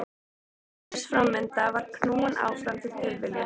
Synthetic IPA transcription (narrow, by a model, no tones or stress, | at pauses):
sfɾamːɪnt̪avaɾ̥kʰnuːna̰ːwfɾamt̪ʰɪlt̪ɪlvɪlɪ